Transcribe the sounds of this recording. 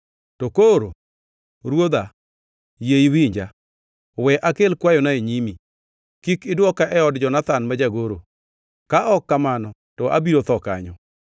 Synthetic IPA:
tokoɾo̰ | ɾwod̪a | jeiwiɲd͡ʒa | wɛʔakelkwajɔnaeɲimi | kikɪdwɔkaʔɛɔdd͡ʒɔnat̪anmad͡ʒaɡoɾo | kaʔɔkːamanɔ | tɔʔa̰biɾot̪ɔka̰ɲɔ

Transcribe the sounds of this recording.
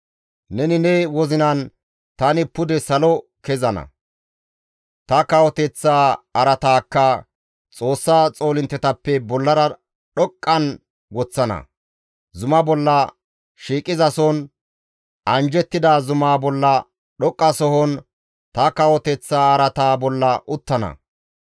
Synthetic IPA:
nɛnɪnɛwɔzɪnɐn | t̪ɐnɪpʊd̪ɛsɐlɔkɛzɐnɐ̰ | t̪ɐkɐwɔt̪ɛt͡sːaːɐɾɐt̪aːkːɐ | t͡sʼo̞ːsːaːt͡sʼo̞ːlɪnt̪ːɛt̪ɐpːɛbɔlːɐɾɐ | ɗɔkʼːɐn | ɡɔt͡sːɐnɐ̰ | zʊmɐbɔlːɐ | ʃiːkʼːɪzɐsɔn | ɐnd͡ʒɛt̪ːɪd̪azʊmaːbɔlːɐ | ɗɔkʼːɐsɔhɔn | t̪ɐkɐwɔt̪ɛt͡sːaːɐɾɐt̪aːbɔlːɐʔʊt̪ːɐnɐ̰

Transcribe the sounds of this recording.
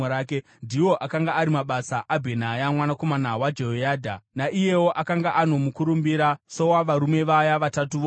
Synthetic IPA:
ɾake | ndiwo̞ʔakaŋɡaaɾimaɓasaʔabʱe̞najamwanako̞manawad͡ʒeojaːdʱanaʔije̞wo̞ʔakaŋɡaʔano̞mukuɾumbiɾaso̞waʋaɾume̞ʋajaʋatatuʋo

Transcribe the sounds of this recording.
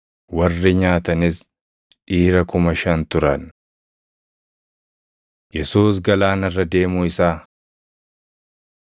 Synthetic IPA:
wɐrːɪɲaːt̪ɐnɪs | ᶑiːɾɐkʊmɐʃɐnt̪ʊɾɐn | jɛsuːs̬ɡɐlaːnɐrːɐd̪e̞ːmuːɪsaː

